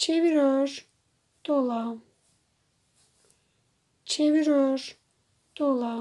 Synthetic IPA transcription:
t͡ʃʰeviɾøɾ | d̪̥ola | t͡ʃʰeviɾøɾ | d̪̥olˠa

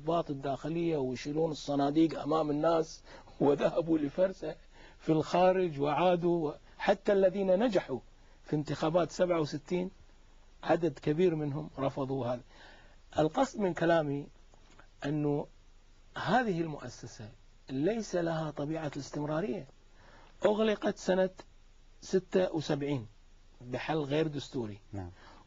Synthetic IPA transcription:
bɑːt̪ˤɪd̪ːaːxɪlɪjːawɪʃɪluːnɨsˤːɑnaːd̪iːɡʔa̰maːmɪnːaːs | wɪðahabulɪfɑɾˤsa | filxaːɾɪd͡ʒwɪʕaːd̪uw | ħat̪ːalːaðiːnanad͡ʒaħu | fint̪ɪxaːbaːt̪sabʕawsɪt̪ːiːn | ʕad̪ad̪kabiːɾmɪnɦʊmɾˤɑfɑðˤuhaːði | ʔɪlqɑsˤd̪ˤmɪnkalaːmi | ʔɪnːu | haːðɪhɪlmʊʔa̰sːasa | lajsalahat̪ˤɑbiːʕalɪst̪ɪmɾɑːɾɪjːa | ʔʊɣlɪqɑt̪sana | sɪt̪ːawsabʕiːn | bɪħalːɣeːɾd̪ʊst̪uːɾḭ

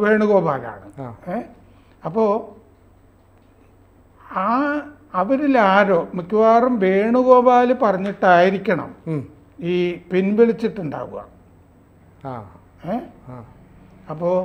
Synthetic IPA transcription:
ʋe̞ːɳuɣo̞ːbaːla̰ːɳɨe | ɐpːo̞ː | aː | ɐʋɐɾilaːɾo̞ːmukʲːuʋaːrɐmʋe̞ːɳuɣo̞ːbaːlɨpɐrɐɲːiʈːaːjiɾikʲːɐɳɐ̰m | iːpinʋiɭit͡ɕːiʈːuɳɖa̰ːɣṵɣɐ̰ | e | ɐpːoː

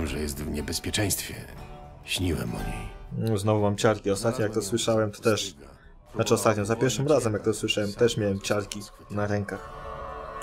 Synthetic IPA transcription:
mʐɛjɛst̪vɲɛbɛspʲjɛt͡ʂɛ̃j̃st̪fʲjɛ | ɕɲiwɛ̰mɔ̰ɲiuznɔvumamt͡ɕaɾkʲiɔst̪at̪̚ɲɔjakt̪ɔswɘʂawɛmt̪ɔ̥t̪ɛʂ | nat͡ʂɘɔst̪at̪ɲɔ̃zapʲjɛɾfʂɘmɾazɛmjak̚t̪ɔswɘʂawɛmt̪ɛʂmʲjawɛmt͡ɕaɾkʲi | naɾɛŋkax

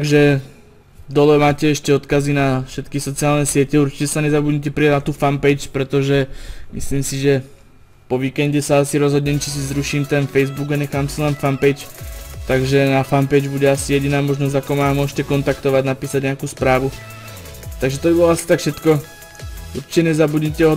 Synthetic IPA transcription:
ɡʒɛ | d̪ɔlɛmaːcɛɛʃcɛɔt̪kazinafʃɛt̪kisɔt͡siɪaːlnɛsɪɛcɛuɾt͡ʃi̥cɛsaɲɛzabudɟɲɛc̬ɛpɾiaɟnat̪uːfampɛjt͡ʃpɾɛt̪ɔʒɛmḭsliːmsiʒɛ | pɔʋiːkɛnɟɛsaasiɾɔzɦɔdɲɛmt͡ʃis̬izɾuʃiːmt̪ɛnfɛjzbuɡaɲɛxaːmsilɛnfampɛjt͡ʃt̪aɡʒɛnafampɛjd͡ʒbuɟɛasijɛɟinaːmɔʒnɔzɟakɔmaːmʊɔʒcɛkɔnt̪akt̪ɔʋaɟnapiːsaɟɲɛakuːspɾaːʋu | t̪aɡʒɛt̪ɔbibɔlɔasi̥t̪akfʃɛt̪kɔ | ṵɾt͡ʃi̥cɛɲɛzabuɟɲɛcɛɦɔ

